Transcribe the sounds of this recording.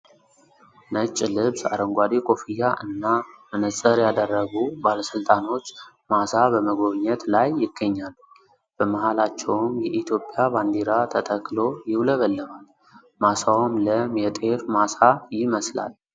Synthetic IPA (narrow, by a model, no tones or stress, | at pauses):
nət͡ʃʼːlɨβsa̰ɾəŋɡʷad̪ekʼo̞fijaʔɨnːamɨnəsʼəɾjad̪ərːəɡubaləsɨlt̪ʼano̞t͡ʃː | masabəməɡo̞βɲːɛt̪lajːɪɡːəɲːal | b̥əməhalat͡ʃːɛwmjɛʔit̪ʰjo̞pʼːɪjaband̪eɾat̪ʰət̪ʼʰəkʼlo̞jɪwləβəlːəβal | masawmləmjɛt̪ʼeɾmasajɪməsla̰l